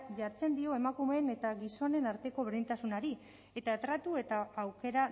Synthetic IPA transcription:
ʝaɾt͡se̞nd̪io̞e̞makume̞ːne̞t̪aɣiso̞ne̞naɾt̪e̞ko̞βe̞ɾðint̪asunaɾi | e̞t̪at̪ɾat̪ue̞t̪aːwke̞ɾa

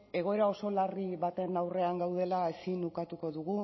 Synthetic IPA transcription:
e̞ɣ̞o̞e̞ɾao̞so̞lariβat̪e̞nawre̞aŋɡawð̞e̞laesinukat̪uko̞ðuɣu

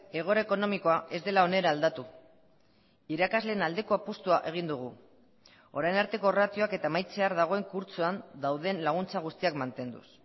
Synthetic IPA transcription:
e̞ɣ̞o̞ɾaeko̞no̞miko̞aʔe̞zd̪e̞lao̞ne̞ɾaːld̪at̪u | iɾakazle̞ːnald̪e̞ko̞apust̪uaʔe̞ɣ̞ind̪uɣ̞u | o̞ɾajnaɾt̪e̞ko̞rat̪io̞ake̞t̪amajt͡se̞aɾðaɣ̞o̞e̞ŋkuɾt͡suand̪awðe̞nlaɣ̞unt͡saɣ̞ust̪iakmant̪e̞nd̪ṵs

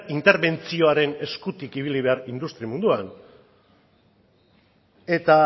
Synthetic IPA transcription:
int̪e̞ɾβe̞nt͡sio̞aɾe̞ne̞skut̪ikiβ̞iliβ̞e̞aɾind̪ust̪ɾimund̪uan | e̞t̪a

